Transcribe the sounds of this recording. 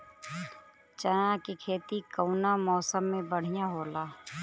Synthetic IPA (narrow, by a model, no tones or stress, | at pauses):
t͡ʃəjãkikʰeːt̪ikəʊnamɔːsəmːẽbəɽ̤ɪjãɦoːlaː